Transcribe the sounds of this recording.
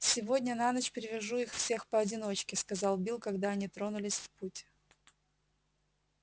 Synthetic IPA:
sʲɪvo̞dʲnʲənanət͡ɕpʲɾʲɪvʲɪʐuixfsʲe̞xpəɐdʲɪno̞t͡ɕkʲɪskɐzɑlˠbʲilˠkɐɡd̪aɐnʲit̪ɾo̞nʊlʲɪsʲfputʲ

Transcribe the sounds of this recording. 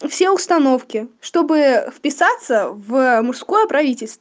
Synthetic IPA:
fsʲe̞ʊst̪ɐno̞fkʲɪʂt̪o̞bɨfpʲɪsat̪səvmʊsko̞jəpɾɐvʲitʲɪlʲst̪ə

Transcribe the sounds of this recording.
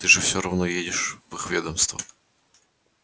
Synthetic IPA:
t̪ɨʐɨfsʲoɾɐvnojedʲɪʂvɨxvʲed̪əmst̪və̰

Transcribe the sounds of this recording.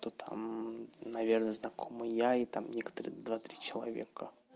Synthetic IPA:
t̪ot̪ʰa̰mnɐvʲernəəznɐkʰomɨjait̪amnʲekə̥t̪əɾə̰d̪vat̪ɾʲit͡ɕɪlˠɐ̰vʲḛkə

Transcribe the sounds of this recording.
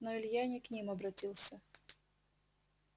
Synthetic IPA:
nɔɪlʲjanʲɪknʲimɐbɾɐtʲilˠsʲə

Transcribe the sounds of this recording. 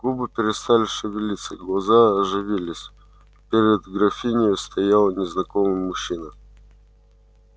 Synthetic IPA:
ɡ̥ubɨpʲɪɾʲɪst̪alʲɪʂɨvʲɪlʲit̪səɡlˠɐzaɐʐɨvʲilʲɪsʲ | pʲeɾʲɪd̪ɡɾɐfʲinʲɪjʊst̪ɐjalˠənʲɪznɐkomɨjːʊɕːinə

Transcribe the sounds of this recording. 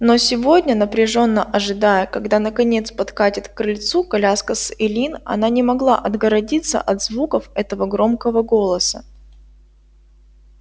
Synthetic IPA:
nosʲɪvo̞dʲnʲənəpɾʲɪʐo̞nːəʔɐʐɨd̪ajəkɐɡd̪anəkɐnʲe̞t̪spɐt̪katʲɪt̪kɾɨlʲt̪sukɐlʲaskəsɪlʲinɐ̰nanʲɪmɐɡlˠa̰ʔɐd̪ɡəɾɐdʲit̪sːə̰ʔɐd̪zvukəfɛt̪əvəɡɾo̞mkəvəɡo̞lˠəsə

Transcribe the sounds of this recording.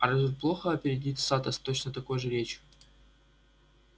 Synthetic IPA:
ɐɾɐzut̪̚ʲplˠoxəɐpʲɪɾʲɪdʲit̪ʲsat̪əst̪o̞t͡ɕnət̪ɐko̞jʐɨɾʲet͡ɕ

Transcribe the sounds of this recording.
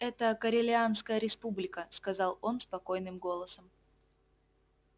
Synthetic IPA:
ɛt̪əkəɾʲɪlʲɪanskəjəɾʲɪspublʲɪkəskɐzɑlˠo̞nspɐko̞jnɨmɡo̞lˠəsəm

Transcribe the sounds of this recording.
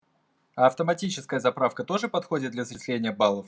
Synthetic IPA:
ɐɐft̪əmɐtʲit͡ɕɪskəjəzɐpɾafkət̪o̞ʐɨpɐt̪xodʲɪt̪d̪lʲɐsɾʲɪsʲlʲenʲɪjəbalˠəf

